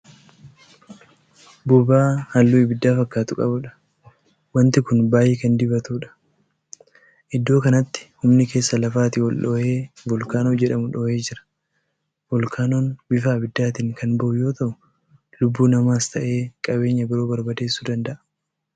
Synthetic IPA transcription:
bʊbaːhɐlːuːɪbɪd̪ːaːfɐkːaːt̪ʊkʼɐbʊᶑɐ̥ | wɐnt̪ɪkʊnbaːjeːkɐnd̪ɪbɐt̪uːᶑɐ̥ | ʔɪd̪ːo̞ːkɐnɐt̪ːɪ̥hʊmnɪke̞ːsːɐlɐfaːt̪ɪwɔlᶑoːheːbɔlkaːnoːd͡ʒɛᶑɐmʊᶑoːhe̞ːd͡ʒɪɾɐ̥ | bɔlkʰaːnoːnbɪfaːbɪd̪ːaːt̪ɪŋkʰɐnbɐʔʊjo̞ːt̪ɐʔʊ | lʊbːuːnɐmaːst̪ʰɐʔe̞ːkʼɐbe̞ːɲːɐbɪɾo̞ːbɐɾbɐd̪e̞ːsːuːd̪ɐnd̪ɐʔɐ̥

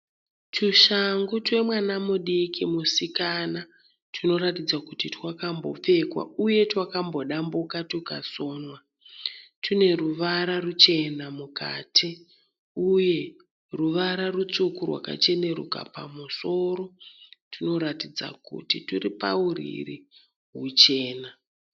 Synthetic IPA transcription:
tuʃaŋɡotwe̞mwanamuɗikimusikana | tʰino̞ɾatid͡zakutitwakambo̞̰p͡fe̞kwa̰uje̞twakambo̞ɗambukatuka̰so̞ːnwa | tine̞ruʋaɾarut͡ʃe̞namuka̰ːtʰi | uje̞ | ruʋaɾarut͡sukurwa̰ka̰t͡ʃe̞ne̞ɾṵka̰pa̰muso̞ɾo̞tuno̞ɾatid͡za̰kṵtituripa̰urḭri | ɦut͡ʃe̞ːna

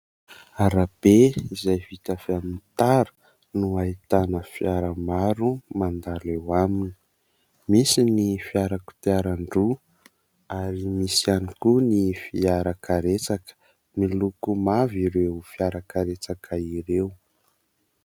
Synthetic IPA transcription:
aɾab̥eizajvit̪afeamint̪aɾə̥ | nuait̪anəfiaɾamaɾumand̪alewamini̥ | misinifiaɾaku̥t̪iaɾaɳɖ͡ʐu | aɾimisianikunifiaɾakaɾet͡sakə̥ | milukumaviɾewfiaɾakaɾet͡sakʰaiɾew

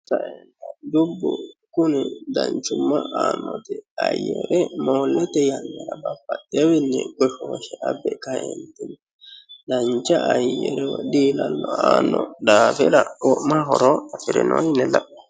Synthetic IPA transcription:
sɐʔɛnt̪ɐd̪ʊbːʊkʊnɛd̪ɐnt͡ʃʊmːɐʔaːnːɔt̪ɛɐjɛɾɛmoːlːɛt̪ɛjɐnːɛɾɐbɐfːɐt̪ːɛwɪnːɛɡɔʃɔʃɛʔɐbɛkɐɛnt̪ɪn | d̪ɐnt͡ʃːɐʔːjɛɾɛd̪iːlɐnːɔaːnːɔd̪aːfɛɾɐwɔʔmaɦɔɾɔɐfɪɾɛnojɪnːɛlɐʔɔ̥

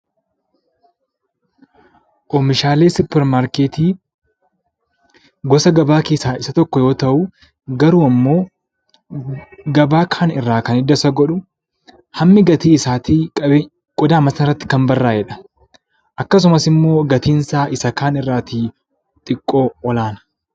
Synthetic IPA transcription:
ʔɔmɪʃaːle̞ːsʊpːɛɾmaːɾkeːt̪iː | ɡɔsɐɡɐbaːkeːsaːɪsɐt̪ɔkːɔjo̞ːt̪ɐʔu | ɡɐɾuːɐmːo̞ː | ɡɐbaːkʰaːnɪrːaːkɐnɪd̪ɐsɐɡɔᶑʊ | hɐmːɪɡɐt̪iːɪsaːt̪iːkʼɐbe | ɡ̥ɔd̪aːmɐsɐɪrːɐt̪ːɪ̥kɐmbɐrːaːjɛᶑɐ̥ | ʔɐkːɐs̬ʊmɐsɪmːo̞ːɡɐt̪iːnsaːʔɪsɐkaːnɪrːaːt̪iː | t̪ʼɪkʼːo̞ːɔlaːnɐ̥

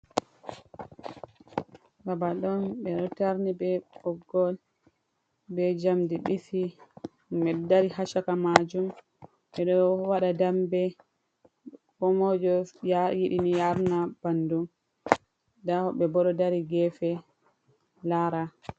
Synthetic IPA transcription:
babaɗɔnɓɛɗɔtaɾnibɛɔɡːɔl | bɛd͡ʒamdiɓisi | ɓɛdaɾiɦaʃakamad͡ʒum | ɓɛɗɔwaɗadambɛ | kɔmɔd͡ʒɔjajiɗinijaɾnab̥andum | dahɔɓɛbɔɗɔdaɾiɡɛfɛ | laɾa

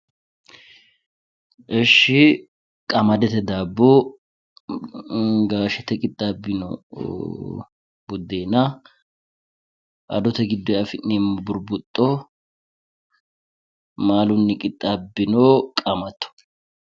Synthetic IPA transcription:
ʔɛʃɪ | kʼɐmɐd̪ɛt̪ɛd̪aːbːo | ɡaːʃɛt̪ɛkʼɪt̪ʼːabːɪno̰ | bʊd̪ːeːnɐ | ʔɐ̰d̪ɔt̪ɛɡɪd̪ːɔɐfɪnnembʊɾbʊt̪ʼːo | maːlʊnːɪkʼɪt̪ʼːabːɪnoːkʼɐmɐt̪ːɔ̥

